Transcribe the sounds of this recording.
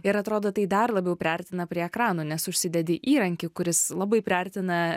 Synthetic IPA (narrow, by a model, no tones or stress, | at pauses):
ɪɾɐt̪ɾoːd̪oːt̪ɐɪd̪ɐrlˠɐbʲɛʊpʲɾʲɛɾʲt̪ʲɪnɐpʲɾʲiɛɛkɾɑːnoːnʲɛsʊʃʲsʲɪd̪ʲɛd̪ʲɪʔiːɾɐŋʲkʲɪkʊɾʲɪslˠɑːbɐɪpʲɾʲɛɾʲt̪ʲɪnɐ